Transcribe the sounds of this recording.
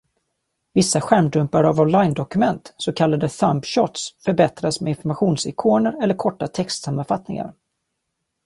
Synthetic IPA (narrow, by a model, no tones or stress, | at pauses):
vɪsːaɧæɳɖɵmpaɾavɔnlajnd̪ɔkɵmɛnt̪sɔkʰalːad̪əθampɕɔt̪sfœɾbɛt̪ɾasmɛɪnfɔɾmaɧuːnsɪkʰoːnəɾɛlːəɾkʰɔʈːat̪ʰɛkst̪samːanfat̪nɪ̰ŋa̰ɾ